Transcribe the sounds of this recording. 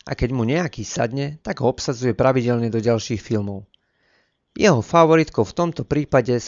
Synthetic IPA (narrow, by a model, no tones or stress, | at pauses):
ʔa̰kɛɟmuɲɛakiːsa̰d̪ɲɛt̪aɡɦɔɔpsad͡zujɛpɾaʋiɟɛlɲɛd̪ɔɟalʃiːxfilmɔʊ | jɛɦɔfaʋɔɾit̪kɔʊft̪ɔmt̪ɔpɾiːpaɟɛs